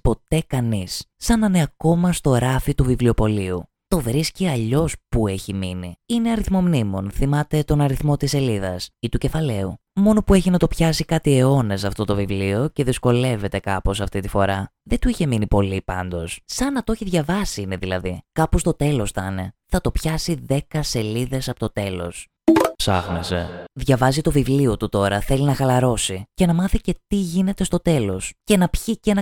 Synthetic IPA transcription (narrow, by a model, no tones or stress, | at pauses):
po̞t̪e̞kɐnisːɐnɐneɐko̞mɐst̪o̞ɾɐfit̪uvivlio̞po̞liu | t̪o̞vɾisciɐʎo̞spue̞çiminiine̞ɐɾiθmo̞mnimo̞nθimɐt̪e̞t̪o̞nɐɾiθmo̞t̪ise̞liðɐsit̪uce̞fɐle̞umo̞no̞pue̞çinɐt̪o̞pçɐsikɐt̪ie̞o̞nesɐft̪o̞t̪o̞vivlio̞ce̞ðisko̞le̞ve̞t̪e̞kɐpo̞sɐft̪it̪ifo̞ɾɐðet̪uiçe̞minipo̞lipɐ̰nd̪o̞ssɐnɐt̪oçiðʝɐvɐsiine̞ðilɐ̰ðikɐpost̪o̞t̪elo̞sθɐne̞θɐt̪o̞pçɐsiðe̞kɐse̞liðe̞sɐpot̪ot̪e̞lo̞̰s | psɐ̰xnese̞̰ðʝɐvɐzit̪o̞vivlio̞t̪ut̪o̞ɾɐθe̞linɐxɐlɐɾo̞sice̞nɐmɐθice̞t̪iʝine̞t̪e̞st̪o̞t̪e̞lo̞sce̞nɐpçicenɐ